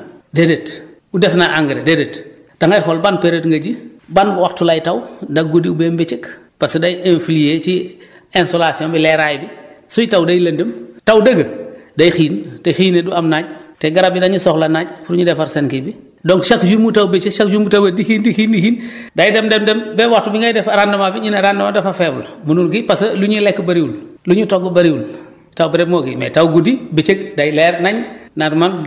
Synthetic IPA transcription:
dedet | udɛfnaʔaŋɡɾededet | d̥aŋajxɔlbanpeɾetŋɡaɟibanbuwaxtulajtawndaɡodiubembet͡ʃik | pasdajenfilijet͡ʃi | ensolasiɔmbilɛɾajbisujitawdajlɐndəmtawdɐɡədajxiːntexiːneduamnaːɲteɡaɾabidaɲusɔklanaɲfuɾuɲudɛfaɾsenkibi | dɔŋʃakd͡ʒumutawbet͡ʃeʃakd͡ʒumutawedixiːndixindixiːndajdɛmdɛmdɛmbɛwatubiŋɡajidɛfaɾandɐmabiɲinaɾandɐmadɛfafɛbulmununkipasɐluɲilɛkːbaɾiun | luɲutoɡːubaɾiwun | tawbiɾɛmɔkḭmɛ̰tawɡudibet͡ʃek̚dajlɛɾnaɲnatman

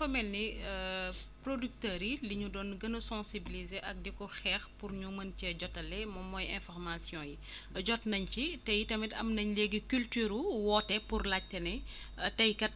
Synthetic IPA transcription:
fɐmɛlːi | prodyk̚tɐɾiliɲudɔːnɡɐnɐsɔ̃sibilizeʔɐk̚dɛkɔxɛːxpuɾɲumɐncɛɟɔtːɐlɛmɔmɔjɛ̃fɔrmasjɔ̃ːji | ɟɔtnɐɲcitɛjitɐmitɐ̰mnɐɲleɡikyltyɾuwɔːtɛpurlac̚tɐnɛ | tɐjkɐt̚

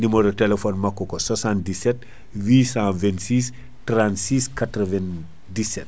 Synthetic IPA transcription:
nimɔɾotɛlefɔnmakːɔkɔsɔsãndisɛt | wiːsãvɛntsiːs | tɾantsiskatɾɐvɛn | disɛt̚

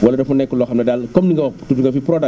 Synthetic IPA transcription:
wɐlɐdɐfunɛkːulɔːxɐmnɐdalkɔmdiŋɡɐtudiŋɡɐfipɾɔdɐ

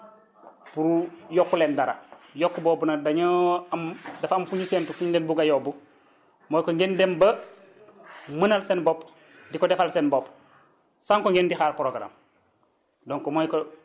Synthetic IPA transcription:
puɾujɔkːulendaɾa̰jokːuboːbunadaɲoamdafamfuɲisentufuɲɡenbuɡajobu | moːjkoŋɡendembə | mənalsenboːp | dikɔdefalsenbop | saŋkoŋɡendixaːɾpɾoɡɾa̰m | doŋkɔmoːjko

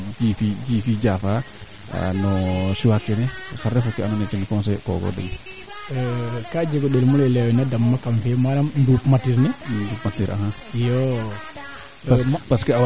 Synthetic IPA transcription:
d͡ʒifid͡ʒifid͡ʒafa̰ | nɔsiwakːɛnɛfaɾɛfɔkːɛanɔnɛt͡ʃanikɔnsɛkɔ̰ɡɔ̰dɛ̰n | kad͡ʒɛɡɔɗɛlmulɛlɛwɛnadamːakamfɛmaɾamndupmatiɾnɛndupmatːiɾʔa̰ha | jɔ | paskɛaw

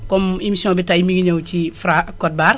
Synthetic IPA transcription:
komimisiõːbitaimiɡiɲewt͡ʃifɾakot̚baɾ

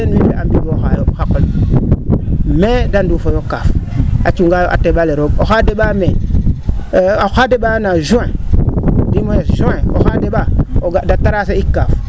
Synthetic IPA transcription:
enwimbeambiɡoxajoxakol | medandufojokːafat͡ʃuŋɡajoʔa̰tːeɓaleɾoɡoxadeɓame | axadeɓanaʒuẽ | dimojesʒuẽoxadeɓaoɡadatːaɾaseikːaf

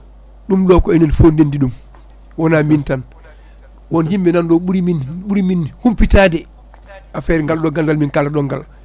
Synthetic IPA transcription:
ɗumɗɔkɔɛninfondendiɗum | wɔnamintan | wɔnhimbɛnandɔɓuɾiminɓuɾiminhumpitaːdɛ | ʔafɛɾŋɡalɗɔɡalɡalminkalaɗɔŋɡa̰l

